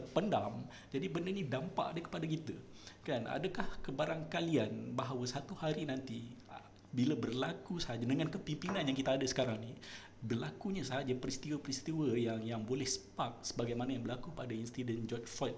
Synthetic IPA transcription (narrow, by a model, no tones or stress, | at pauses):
pəndam | d͡ʒadibəndərɲidampa̰ʔdəkə̥padak̬it̪ə | kana̰dakahkəbaɾaŋkalianbaɦawəsat̪uhaɾinant̪i | bilabərlakusəaɦad͡ʒadəŋankəpimpinãnjaŋkit̪aːdasə̥kaɾaŋni | bərlakuɲasaɦad͡ʒapɾist̪iwəpɾist̪iwəjaŋjaŋbolɛhsə̥pak̚səbaɡajmanajaŋbərlakupadainst̪idɛnd͡ʒɔt͡ʃfɔt̪̚